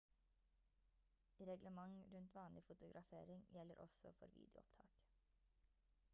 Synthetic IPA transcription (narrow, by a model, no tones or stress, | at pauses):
ɾɛɡləmɑŋɾʉnt̪ʋɑːnlɪfʊt̪ʊɡɾʔɑfḛːɾɪŋjɛləɾʔɔ̰sɔfɔɾʋḭːd̪ɪʊɔpt̪ʰɑ̰ːk